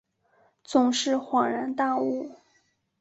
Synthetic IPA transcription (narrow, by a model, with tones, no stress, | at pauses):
t͡sʊ˨˩ŋʂɻ̩˥˩xwɑ˨˩ŋɻa˧˥nt̪a˥˧u˥˩